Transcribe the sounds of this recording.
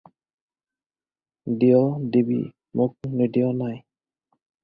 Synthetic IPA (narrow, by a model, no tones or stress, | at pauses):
diɔdibḭ | mʊk̚nidijɔnaj